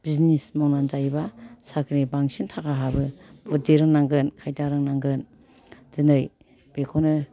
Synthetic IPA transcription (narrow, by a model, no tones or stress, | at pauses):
b̥iznismɔŋnanzajbasakʰɾibaŋsintʰakaɦabɯbɔdeɾɯŋnaŋɡɯnkʰajtaɾɯŋnaŋɡɯn | z̥ɯnɯj | b̥ekʰonɯ